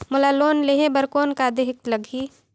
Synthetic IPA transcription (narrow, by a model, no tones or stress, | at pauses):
mʊlaloːnleɦẽbəɾkoːnkad̪eɦɪk̚t̪ləɡʱiː